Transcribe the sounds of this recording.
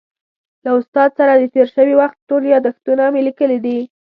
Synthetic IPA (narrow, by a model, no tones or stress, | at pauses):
laʊst̪ɑd̪saɾad̪ət̪eɾʃəwiwaxt̪̚ːoɾjɑd̪axt̪unamelikəlid̪i